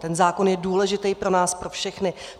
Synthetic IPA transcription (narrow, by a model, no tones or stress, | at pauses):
t̪ɛnzaːko̞njɛduːlɛʒɪt̪ɛjpɾo̞naːspɾo̞fʃɛxnɪ